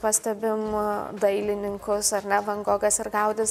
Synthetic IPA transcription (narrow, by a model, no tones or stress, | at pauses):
pɑsʲt̪ʲɛbʲɪmd̪ɐɪlʲɪnʲɪŋkʊsɐɾnʲɛʋɐŋɡoːɡɐsɪɾɡɐʊd̪ʲɪs